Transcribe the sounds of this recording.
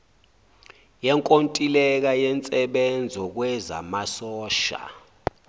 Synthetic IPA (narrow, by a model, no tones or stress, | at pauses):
jɛŋkʼontʼilɛk̬ajɛnt͡sʼɛɓɛnd͡zʱɔk̬wɛza̰masɔːʃa̰